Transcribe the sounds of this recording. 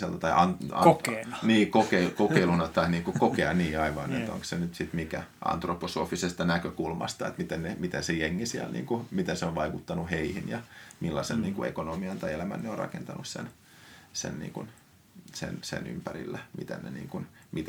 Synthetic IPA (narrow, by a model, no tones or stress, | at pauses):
selt̪ɑt̪ɑiɑnokeniːkokeikokeilunɑt̪ɑiniːŋkukokeɑniːɑiʋɑːnet̪o̰ŋkssenyt̪sit̪mikæʔɑ̰nt̪roposo̰ːfisest̪ɑnækøkulmɑ̰st̪ɑḛt̪mit̪ennemit̪ensejeŋːisiælnḭːŋkumit̪enseoʋʋɑikut̪ːɑnuheihinjɑmilːɑsḛnniːŋkuḛkonomiɑnt̪ɑielæmæ̰nneorɑ̰kent̪ɑnussḛn | sḛnnḭːŋkun | sḛnsḛny̰mpæɾḭlːæmḭt̪ḛnnḛnḭːŋkunmit̪æ